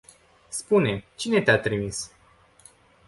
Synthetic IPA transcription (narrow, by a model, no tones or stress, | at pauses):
spune̞t͡ʃine̞t̪eat̪ɾimis